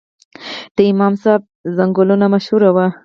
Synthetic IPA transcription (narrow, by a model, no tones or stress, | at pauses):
t̪eimaːmsaːb̚zɐŋɡolonamɐʃhuɾɐwa